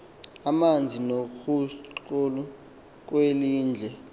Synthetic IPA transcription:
amand͡zʱinokʰuolu | k̬weliːnd͡ɮʱɛ

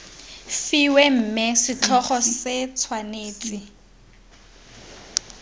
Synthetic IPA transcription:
fiwem̩ːmɛsɪt͡ɬʰɔχɔsɪt͡sʰwaneːt͡sʼi

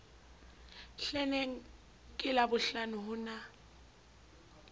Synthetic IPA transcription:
ɬɛnɛŋ̩ | kʼɪlabʊɬanʊɦʊna

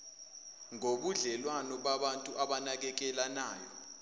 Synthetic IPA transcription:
ŋoɓuɮɛlwanɔɓaɓantʼuʔaɓanak̬ɛk̬ɛlanaːjɔ

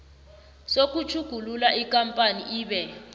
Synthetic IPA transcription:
sok̬ʼut͡ʃʰuɡ̥ʱululaʔikʼampʼaniʔiːɓɛ

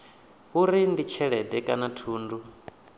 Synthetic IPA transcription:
ɦuɾindit͡ʃʰɛɺɛdɛkʼanatʰuːndu

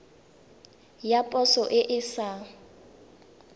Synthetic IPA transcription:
japʼɔsɔʔɪʔɪsa

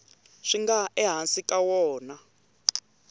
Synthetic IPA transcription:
ʂiŋɡaɛɦansikʼawɔːna

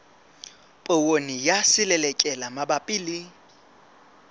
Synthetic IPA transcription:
pʼowonijasɪlɛlɛkʼɛlamabapʼɪːlɪ

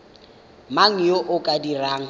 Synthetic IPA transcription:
maŋ̩joʔʊkʼadiraːŋ̩

